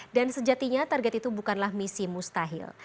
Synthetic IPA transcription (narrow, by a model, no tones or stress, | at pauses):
dansəd͡ʒat̪iɲat̪arɡɛt̪it̪ubukanlahmisimust̪aɦɪ̰l